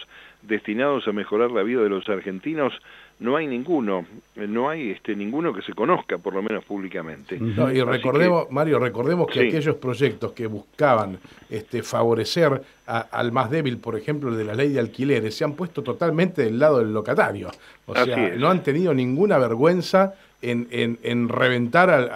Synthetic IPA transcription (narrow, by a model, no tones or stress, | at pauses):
d̪est̪inaðosamexo̞ɾaɾlaβiðaðelosaɾxent̪inosno̞ajnĩŋɡunonoajest̪enĩŋɡunokeseko̞noskapoɾlomẽnospuβlikamḛ̃nt̪enoirekoɾðeosmaɾjo̞reko̞ɾðemoskeakeʒo̞spɾo̞ʒek̚t̪o̞skeβuskaβanest̪efaβo̞ɾeseɾ | aa̰lmazðeβilpo̞ɾexe̞mploelðelalejðealkileɾesːeampwest̪o̞t̪ot̪almẽnt̪eðelːað̞o̞ðelːo̞kat̪aɾjo | osseaeno̞ant̪eniðo̞nĩŋɡunaβeɾɣwe̞nsa | enenenreβ̞e̞nt̪aɾa